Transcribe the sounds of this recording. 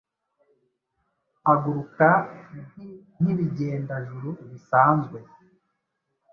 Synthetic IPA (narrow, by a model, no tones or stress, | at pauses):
aɡuɾuka | n̥iβiɟe̞ːndaʒuɾuβisaːnzɡwe̞